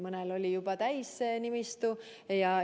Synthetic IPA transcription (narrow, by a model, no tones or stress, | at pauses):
mɤnelo̞lʲijub̥ɑt̪æjsenimist̪u | jɑ